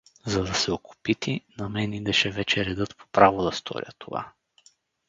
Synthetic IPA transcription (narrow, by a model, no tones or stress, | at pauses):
zɐd̪ɐsɛokʰʊ̥pit̪inɐmɛnid̪ɛʃɛvɛt͡ʃɛɾɛd̪ɤt̪pʰo̥pɾavod̪ɐst̪ʰɔ̰ɾjə̰t̪ʰo̰va̰